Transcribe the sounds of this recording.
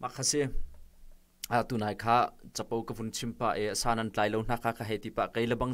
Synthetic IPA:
mʔakʰːasi | at̪unajkʰaːt͡sɐpɐwkɐvunt͡sʰimpaʔeʔɐsaːnɐnt͡ɬaːjlown̥aːkʰakʰaɦɛjt̪ipaʔkejlɐbɐŋ

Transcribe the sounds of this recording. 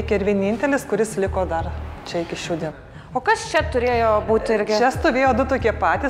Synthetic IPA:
ɪkʲɛɪɾʋʲiɛnʲinʲt̪ʲɛlʲɪskʊɾʲɪslʲɪkoːd̪ɐrt͡ʃʲɛɪkʲɪʃʲuːd̪ʲin | oːkɐst͡ʃʲɛt̪ʊɾʲeːjoːbuːt̪ʲɪɾʲɡʲɪt͡ʃʲɛst̪oːʋʲeːjoːd̪ʊt̪oːkʲiɛpɑːt̪ʲiː

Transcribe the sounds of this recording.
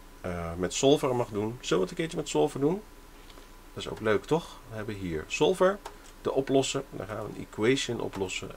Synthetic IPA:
mɛtsɔlˠvərmɑχdunsoləʋɑtəkɪːɹt͡ʃəmɛtsɔlˠvəɹdun | dɑtɪso̰wkløɥktɔχʋəɦɛbəɦiːɹsɔlˠvɛɹ | dəʔɔplɔsəndɑ̰χa̰ːnʋə̰nḭkwejʃənʔɔ̰plɔsə̰

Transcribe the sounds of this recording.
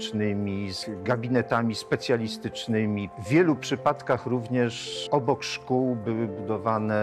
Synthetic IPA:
t͡ʂnɘmʲizɡabʲinɛt̪amʲispɛt̪sʲjalʲist̪ɘt͡ʂnɘmʲivːʲjɛlupʂɘpat̪kaxɾuvɲɛʂɔbɔkʂkuwbɘwɘbud̪ɔvanɛ

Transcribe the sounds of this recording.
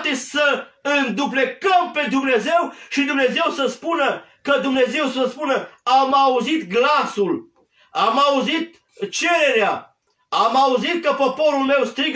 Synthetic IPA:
t̪esəɨnd̪uble̞kəmpe̞d̪umne̞ze̞wʃid̪umne̞ze̞wsəspunə | kəd̪umne̞ze̞wsəspunəamauzit̪ɡlasul | amauzit̪̚ | t͡ʃe̞ɾe̞ɾea | amauzit̪̚kəpo̞po̞ɾulme̞wst̪ɾiɡ

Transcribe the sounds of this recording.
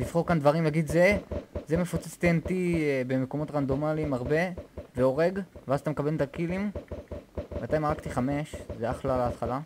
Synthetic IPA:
lifχo̞ʁkand̪vaʁimlaɡid̪zezemefot͡set͡st̪ient̪ibe̞meko̞mo̞t̪ʁand̪o̞malimaʁbe̞ve̞o̞ʁe̞ɡveazat̪amkabe̞lt̪akilim | mat̪ajmaʁak̚t̪iχame̞ʃzeaχlalaːt̪χala

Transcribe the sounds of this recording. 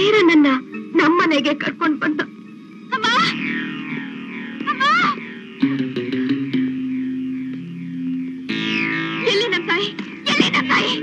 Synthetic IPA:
eːɾunɐnːɐnɐmːɐneɡekɐɾkoɳɖ̚bɐnd̪u | ɐmːaː | ɐmːaː | elːinɐmsaːji | ɛlːinɐsaːji

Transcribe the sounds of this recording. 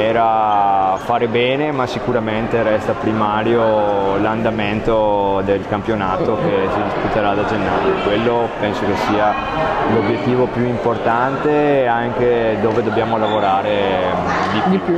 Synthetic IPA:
ɛːɾa | faːɾebɛːnemasikuɾament̪eɾɛst̪apɾimaːɾjoland̪ament̪od̪elkampjonaːt̪oket͡ʃeakut̪eɾad̪ad͡ʒenːaːjokwelːopɛnsokesiːa | lobjet̪ːiːvopjuimport̪ant̪eaŋk̟ed̪oːved̪objaːmolavoɾaːɾe | d̪i

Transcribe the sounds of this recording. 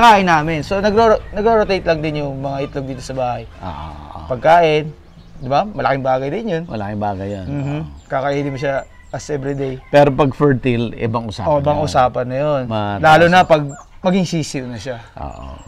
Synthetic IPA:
kaːʔɪnːaːmɪnso̞nɐɡɾoɾonɐɡɾoːɾot̪ejt̪lɐŋd̪ɪnjʊŋmɐŋaʔɪt̪loɡ̚d̪iːt̪osɐbaːhɐjʔo̰ʔpɐɡ̚kaːʔɪn | d̪ɪbamɐlɐkɪŋbaːɡɐjd̪ɪnjonmɐ̰lɐ̰kɪŋbaːɡɐjːanm̩ːhm̩kɐkɐʔiːd̪ɪmoʃa | ɐsʔɛvɾɪd̪ejpɛːɾopɐɡfɛɹt̪ilɪ̰bɐŋʊsa̰ːʔoʔbɐŋʔʊsaːpɐnːɐjo̞nmɐlaːlʊnɐpɐɡ̚ | mɐɡɪŋsiːsɪwnɐʃaʔo̰ːʔo̰

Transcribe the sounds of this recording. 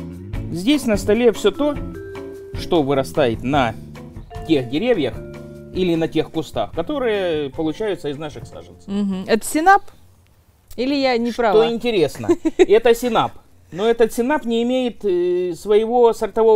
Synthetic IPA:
zʲdʲesʲnəst̪ɐlʲefsʲɵt̪o̞ | ʂt̪o̞vɨɾɐst̪ajɪt̪nɐ | tʲe̞xdʲɪɾʲevʲjəx | ilʲɪnɐtʲe̞xkʊst̪a̰xkɐt̪o̞ɾɨjəpəlˠʊt͡ɕæjʊt̪səɪznaʂɨxsa̰ʐɨnt̪sm̩ɦm̩ɛt̪ə̥sʲɪnap | ilʲɪjanʲɪʂpɾavoɪnʲtʲɪɾʲe̞snə̰ɛt̪əsʲɪnap | noɛt̪ət̪sʲɪnapnʲɪːmʲejɪt̪svəjɪvo̞sərt̪ɐvo̞

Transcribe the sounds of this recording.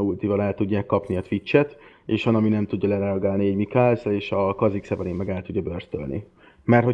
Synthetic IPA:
ult̪ivɒlɛlt̪uɟːaːkːɒpniɒt̪ʋit͡ʃːɛt̪eːʃʋɒnɒminɛmt̪uɟːɒlɛɾɛɒɡaːlniɛɟmikaːlzleːʃɒkɒziksɛvɛlimːɛɡɛlt̪uɟːjɒbørst̪ø̰lnʔḭ | mɛrt̪ho

